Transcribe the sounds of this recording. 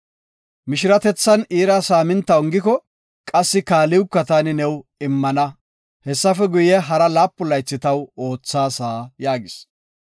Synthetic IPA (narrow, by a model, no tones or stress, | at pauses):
mɪʃɪɾɐt̪ɛt͡sːɐniːɾasaːmɪnt̪ːɐwʊŋɡɪkɔ | kʼɐsːɪkaːlɪwkːɐt̪aːnɪnɛwɪmːɐnɐ | hɛsːɐfɛɡʊjɛɦɐɾɐlaːpːʊlɐjt͡sːɪt̪ɐwo̞ːt͡sːaːsaːjaːɡɪs